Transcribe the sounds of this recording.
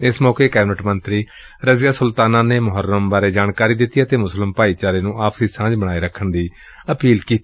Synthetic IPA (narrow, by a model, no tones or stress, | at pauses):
ɪsmɔːkeːkɛːbɪnəʈmənt̪ɾiː | ɾəzɪjaːsʊlt̪aːnãːneːmʊɦəɾːəmbaːɾeːd͡ʒaːɳkaːɾiːd̪ɪt̪ːijaːt̪eːmʊslɪmpaːiːt͡ʃaːɾeːnũːʔaːpsiːsãːd͡ʒbəɽ̃aːiɾəkʰːəɳd̪iː | əpiːlkiːt̪i